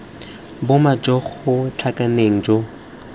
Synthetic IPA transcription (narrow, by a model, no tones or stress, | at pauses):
bʊmad͡ʒʼɔχʊt͡ɬʰakʼaneŋ̩d͡ʒɔ